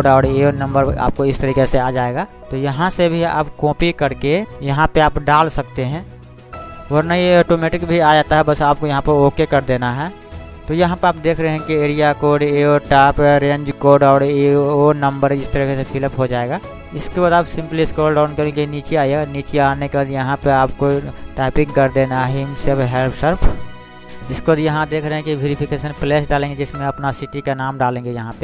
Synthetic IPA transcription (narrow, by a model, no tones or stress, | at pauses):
oɖaːɽeonɐ̃mbəɾa̰ːp̚koɪst̪ɐɾiːkeseaːd͡ʒaːeːɡaː | t̪ojɐɦãsebʱia̰ːpkɔ̃ːpikɐɾkejɐɦãpeaːpɖaːlsɐk̚t̪eɦɛ̃ː | ɔːɾnajeɔːʈomeːʈɪkbʱiaːd͡ʒaːt̪aɦɛbɐsaːp̚kojɐɦãpɐɾoːkekɐɾd̪eːnaɦɛː | t̪ojɐɦãpɐɾaːpd̪eːkʰɾɐɦeɦɛ̃kieːɽijakoːɖeɔːʈaːpɾẽːɲd͡ʒkoːɾɖɔːɽeonɐ̃mbəɾd͡ʒɪst̪əɾiːkesepʰɪlpɦod͡ʒaːeːɡaː | ɪskebaːd̪aːpsɪ̃mpliɪskoːlɖãːnkɐɾẽkiniːt͡ʃeaːieɡaniːt͡ʃeaːnekebaːd̪jɐɦãpeaːpkoʈaːpɪ̃ŋkɐɾd̪eːnaɦɪnsepɦɛlpsəɾpʰ | ɪskebad̪jɐɦãd̪eːkʰɾəɦɛ̃kiʋeːɾɪpʰɪkeːʃənpleːsɖaːlẽːŋɡed͡ʒɪsmẽɐpnasɪʈikanaːmɖaːlẽːŋɡejɐɦãpe